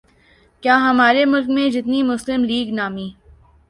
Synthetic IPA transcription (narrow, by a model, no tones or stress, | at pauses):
kjaːɦɐmaːɾemʊlk̚mẽd͡ʒɪt̪nimʊslɪmliːɡnaːmiː